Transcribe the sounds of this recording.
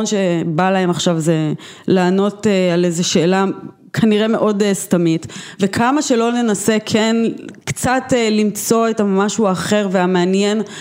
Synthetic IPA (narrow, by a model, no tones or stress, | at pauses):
onʃebalae̞maχʃavze | laːno̞tealezeʃe̞ːla | kʰaniʁe̞meʔo̞destamitvekʰamaʃe̞lo̞ne̞nasekʰenkt͡satlimt͡so̞etamaʃuaːχe̞ʁveameanjen